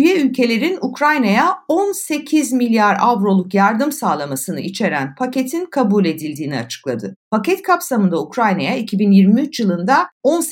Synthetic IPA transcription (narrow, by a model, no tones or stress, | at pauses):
yjɛylʲcʰe̞lʲe̞ɾinukɾajnajaonse̞cʰizmilʲjaɾavɾo̞lˠukjaɾd̪ɯmsaːlˠamasɯnɯit͡ʃʰe̞ɾænpʰace̞t̪ʰinkʰabulʲe̞d̪ilʲd̪iːnia̰t͡ʃʰɯ̥klˠad̪ɯpʰacɛt̪kʰapsamɯnd̪aukɾajnajaicʰibinjiɾmiyt͡ʃjɯlˠɯnd̪ao̞ns